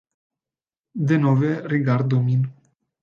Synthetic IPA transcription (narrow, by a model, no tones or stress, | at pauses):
d̪enoveriɡard̪omin